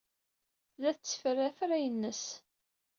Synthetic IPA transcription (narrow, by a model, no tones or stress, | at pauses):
ðæθt͡sːə̥fərːæfɾæjənːəs